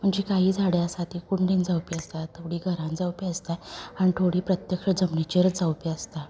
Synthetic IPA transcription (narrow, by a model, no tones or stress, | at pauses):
m̤əɳd͡ʑekaɦiːd͡zʱaɽjaəsat̪iːkuɳɖiːnd͡zawpiəst̪at̪ʰoɽiːɡʱəɾãnd͡zawpiəst̪aañit̪ʰoɽiːpɾət̪jəkʂəd͡zəmnit͡ɕiɾd͡zawpiəst̪a